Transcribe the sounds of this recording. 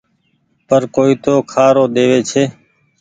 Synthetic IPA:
pəɾkoːiːt̪oːkʰaːɾoːɗ̪eːʋeːt͡ʃʰeː

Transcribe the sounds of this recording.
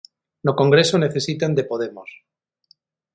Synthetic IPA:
noko̞ŋɡɾe̞sone̞θe̞sit̪and̪e̞po̞ðe̞mos

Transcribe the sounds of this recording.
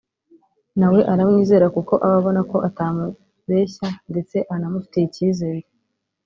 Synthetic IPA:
nawe̞ʔaɾamŋiːze̞ːɾakuko̞ʔaβaβo̞nako̞ʔataːmu | βe̞ːçande̞t͡se̞ʔanamufi̥teiciːze̞ːɾe

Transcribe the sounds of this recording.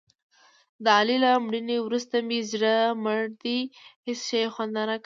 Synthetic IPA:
d̪əalilamɽiniwɾust̪amizɽaməɽd̪ihɪsʃajexwand̪ɑnak

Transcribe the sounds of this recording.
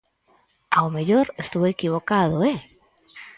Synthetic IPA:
aomeʎoɾest̪uβoekiβokaðoe

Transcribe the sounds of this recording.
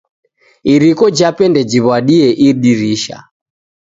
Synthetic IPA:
iɾikɔd͡ʒapɛndɛd͡ʒiβwaɗiɛʔiɗiɾiʃa̰

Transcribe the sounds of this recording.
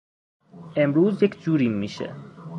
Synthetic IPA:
ʔemɾuːzjekʰʲd͡ʒuːɾimːiːʃḛ

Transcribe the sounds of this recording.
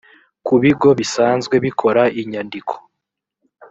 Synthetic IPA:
kuβiɡo̞βisaːnzɡwe̞βikʰo̞ɾaiɲandikʰo̥

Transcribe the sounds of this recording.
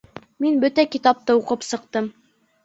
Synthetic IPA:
minbɵt̪ækit̪ɑp̚t̪ɤuqɤpsɤ̆q̚t̪ɤm

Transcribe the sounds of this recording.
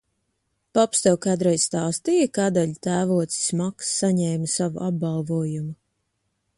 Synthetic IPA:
pɔpst̪ɛwkaːd̪ɾɛjzst̪aːst̪ijakad̪aʎt̪æːvuɔt̪ssʲmaksːaɲɛːmasavuʔab̚balˠvuɔjumu

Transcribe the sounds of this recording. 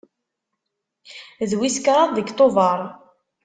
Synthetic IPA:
ðwiskɾˤɑðˤðəɡt̪ˤovɑɾˤ

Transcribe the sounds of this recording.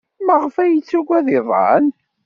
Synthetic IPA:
məʁfæjət͡sːuɡʷæðɪðˤɑ̰n

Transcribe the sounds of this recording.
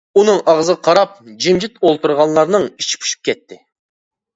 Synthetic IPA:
unɨŋɑʁzɨʁɑqʰɑɾɑp̚d͡ʒimd͡ʒɪt̪olˠt̪uɾʁɑnlˠɑɾnɨŋit͡ʃʰi̥pʰy̥ʃi̥p̚kʲɛt̪ʰːɪ

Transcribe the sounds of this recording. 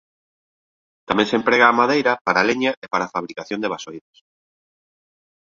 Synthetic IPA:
t̪amẽŋsempɾeɣaːmaðejɾɐpaɾaleɲaʔepaɾafaβɾikaθjond̪eβasojðos

